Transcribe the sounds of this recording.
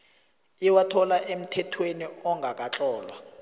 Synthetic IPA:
iwatʰɔlaʔem̩tʰɛtʰweniɔŋɡʱak̬ʼat͡ɬʼɔːlwa

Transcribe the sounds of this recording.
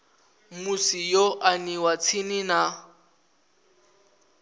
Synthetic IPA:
musijoʔaniwat͡sʰinina

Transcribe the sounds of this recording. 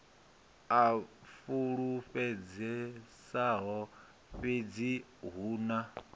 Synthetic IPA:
afuɺuɸɛd͡zɛsaɦɔ | ɸed͡ziɦuːna

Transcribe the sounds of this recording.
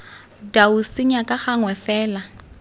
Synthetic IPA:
dausɪɲakʼaχaŋwɛfɛːla

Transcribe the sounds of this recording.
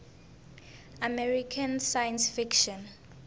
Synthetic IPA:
amɛɹikʰansajɛ̃nsfikʃɔ̃n

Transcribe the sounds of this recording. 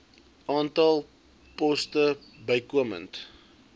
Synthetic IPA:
ʔɑːntɐlˠ | pɔstə | bəjkuəmə̰nt

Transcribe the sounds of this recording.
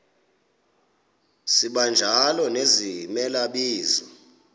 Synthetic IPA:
siɓand͡ʒʱalɔnezimɛlaɓiːzɔ

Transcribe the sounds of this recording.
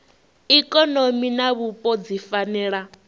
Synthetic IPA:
ikʼɔnominaβupʼɔd͡zifanɛːɺa

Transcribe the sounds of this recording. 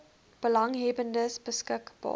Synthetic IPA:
b̥əlɐŋɦɛbəndəsbəskəkb̥ɑ̰ː

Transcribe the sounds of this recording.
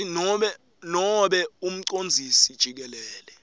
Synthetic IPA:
nɔɓɛ | nɔɓɛum̩ǀond͡zʱisid̥ʒ̥ʱik̬ɛlɛːlɛ

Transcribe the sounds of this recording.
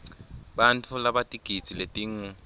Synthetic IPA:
ɓantʰulaɓatʼiɡ̥ʱit͡sʰʼiletʼiːŋu

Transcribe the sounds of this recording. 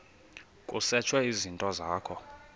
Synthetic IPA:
kʼusɛt͡ʃʰwɛizintʼɔzaːkʰɔ

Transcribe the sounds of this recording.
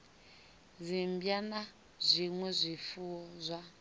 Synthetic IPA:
zimbjana | zʷiŋwɛzʷifuɔzʷa

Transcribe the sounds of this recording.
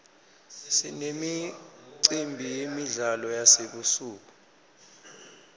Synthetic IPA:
sinemiǀimbʱijemiɮalɔjaseɓusuːk̬u

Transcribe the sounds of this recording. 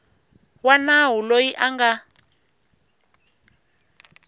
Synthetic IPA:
wanaɦulojiʔaŋɡa

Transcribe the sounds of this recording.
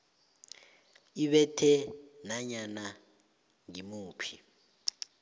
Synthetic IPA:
iɓɛtʰɛnaɲana | ŋimuːpʰi̥

